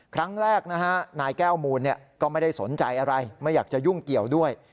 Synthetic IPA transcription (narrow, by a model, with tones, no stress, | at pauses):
kʰɾa˦˥ŋɾɛː˥˩k̚na˦˥kʰa˦˥naː˧jkɛː˥˩wmuː˧nːi˥˩əkɔː˥˩ma˥˩jda˥˩jso˩˦nt͡ɕa˧jʔa˧ɾa˧jma˥˩jːaː˨˩k̚t͡ɕa˨˩ju˥˩ŋki˨˩əwdu˥˩əj